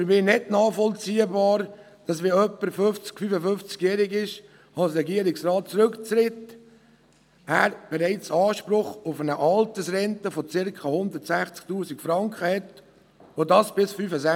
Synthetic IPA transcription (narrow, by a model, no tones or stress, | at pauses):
fəɾmiːnɛdnɑːχfɔlt͡siːəbɑːɾ | d̥ɑsʋeœpːəɾfɵft͡skfyfəfʏft͡skjɛːɾɪɡɪʃ | ɑlsɾɛɡiəɾɪksɾɑːt̚t͡sɾɵkt͡sɾɪt | æːɾb̥ɛɾaɪt͡sɑːʃpɾʊχʊfənəʔɑltəsɾɛntəfɔt͡sɪɾkχɑhʊnd̪ətsæχt͡sk̚tuːsɪkfɾɑŋkχəhɛt | ʋodɑsb̥ɪsfyfəsæ